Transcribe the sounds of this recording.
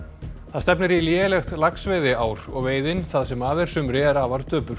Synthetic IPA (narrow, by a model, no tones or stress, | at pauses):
θaðst̪ɛpnɪɾiljɛːlɛxt̪laksvejðɪaːwɾɔɣveːjðɪnθaðsɛmaːvɛɾ̥sʏmɾɪɛɾavaɾt̪œːpʏɾ̥